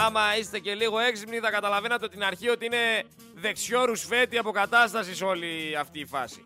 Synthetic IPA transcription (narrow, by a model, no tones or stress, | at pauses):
ɐmɐist̪e̞ce̞liɣo̞e̞ksipniθɐkɐt̪ɐlɐve̞nɐt̪eo̞t̪inɐɾçio̞t̪iine̞ | ðe̞kso̞ɾusfe̞t̪iɐpo̞kɐt̪ɐst̪ɐsiso̞liɐft̪iːfɐ̰si̥̰